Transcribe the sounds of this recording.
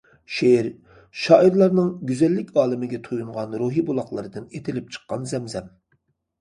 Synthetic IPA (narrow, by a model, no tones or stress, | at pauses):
ʃeɾ | ʃɑːʔiɾlˠɑɾnɨŋɡʲyzɛlːɪkʲɑːlˠɪmɪɡʲɛt̪ʰojuɴʁɑnɾuɦibulˠɑχlˠəɾɨd̪ɨnet̪ʰɪlɪp̚t͡ʃʰə̥qːɑnzɛmzɛm